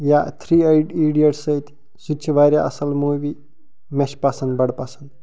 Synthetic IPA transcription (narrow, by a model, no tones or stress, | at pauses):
jat̪ʰɾiːajɖiɽijɐʈsɐit̪ʲ | sit͡ʃʰiʋaːɾʲjaɐsɐlmujʋi | meʃpaːsɐnd̪bɐɽpasɐnd̪